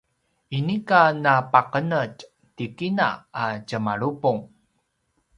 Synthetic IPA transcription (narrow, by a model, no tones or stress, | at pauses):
inikanapaqənəc | tikina̰acəmaɭupuŋ